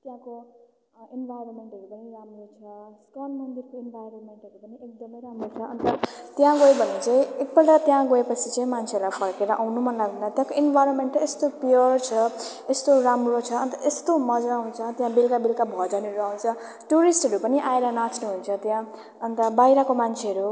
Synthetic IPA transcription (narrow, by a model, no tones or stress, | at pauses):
t̪jãko | enbʱajɾonmeɳʈɦʌɾupʌniɾamrot͡sʰʌskalmʌnd̪ikoenbʱajɾonmeɳʈɦʌɾupʌniek̚d̪ʌmʌjɾamɾot͡sʰʌʌnt̪ʌt̪jãɡoebʱʌnet͡saĩek̚bʌlʈat̪jãɡoepʌt͡sʰit͡saĩmant͡sʰelajpʰʌɾkeɾʌʔawnumalaɡud̪at̪jãkoinbʱajɾonmeɳʈest̪opiʌrt͡sʰʌ | est̪oɾamrot͡sʰʌːnt̪ʌest̪omʌd͡zaːw̃nt͡sʰʌt̪jãbilkabilkabʱʌd͡zaneɾuaw̃nt͡sʰʌ | ʈuɾisʈɦʌɾupʌniʔaeɾʌnat͡snuɦunt͡sʰʌt̪jã | ʌnt̪ʌbajɾʌkomant͡sʰeʌɾu